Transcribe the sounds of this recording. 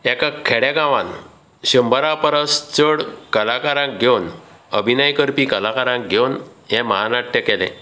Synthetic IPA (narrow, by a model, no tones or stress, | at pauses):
ɛkakʰːɛɽaɡãʋãn | ɕəmbʱəɾapəɾəst͡səɽkəlakaɾãk̚ɡʱewnəbʱinajkəɾpikəlakaɾãk̚ɡʱewnɦɛ̃məɦanaʈːjəkɛlɛ̰̃